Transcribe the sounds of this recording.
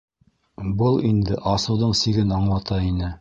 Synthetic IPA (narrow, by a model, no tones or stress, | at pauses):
bɤlˠind̪ɘʔɑsɤ̆wðɤɴsiɡɘnɑɴlˠɑt̪ɑinɘ